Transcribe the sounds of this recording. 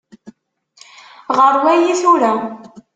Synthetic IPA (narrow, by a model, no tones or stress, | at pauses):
ʁəɾˤwæjiθuɾæ